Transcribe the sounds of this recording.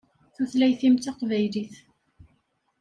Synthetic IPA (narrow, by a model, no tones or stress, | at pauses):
θuθlæjθimt̪ɑqvæjliθ